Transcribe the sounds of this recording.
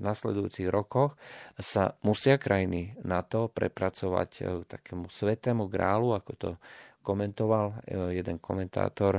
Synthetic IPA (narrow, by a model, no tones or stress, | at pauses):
naslɛd̪ujṵːt͡siɣɾɔkɔxsamusɪakɾajininat̪ɔpɾɛ̰pɾat͡sɔʋa̰ckt̪akɛːmusʋɛt̪ɛːmuɡɾa̰ːluakɔt̪ɔ̰kɔmɛnt̪ɔʋaljɛd̪ɛnkɔmɛnt̪a̰ːt̪ɔɾ